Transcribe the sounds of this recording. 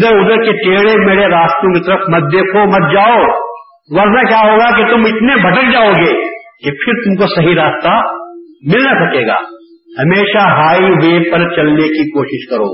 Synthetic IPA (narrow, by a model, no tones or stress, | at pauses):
d̪əɾʊd̪əɾkeʈeːɽemeːɽeɾaːst̪jõkit̪ɐɾəfʰmɐt̪̚d̪eːkʰomɐt̪̚d͡ʒaːo | ʋɐɾnakjaːɦoːɡakit̪ʊmɪt̪nebʱɐʈək̚d͡ʒaːoːɡeːkepʰɪɾt̪ʊmkosɐɦiɾaːst̪a | mɪlnasɐkeːɡa̰ː | hɐmeːʃaɦaːiʋeːpɐɾt͡ʃɐlnekikoːʃɪʃkɐɾo̰ː